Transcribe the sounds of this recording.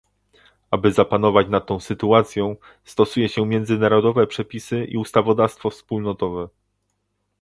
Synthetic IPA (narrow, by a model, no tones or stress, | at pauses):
abɘzapanɔvat͡ɕnat̪ːɔ̃w̃sɘt̪uat̪sʲjɔ̃w̃ | st̪ɔsujɛɕɛmjɛnd̪zɘnaɾɔd̪ɔvɛpʂɛpʲisɘʔḭust̪avɔd̪afst̪fɔfspulnɔt̪ɔvɛ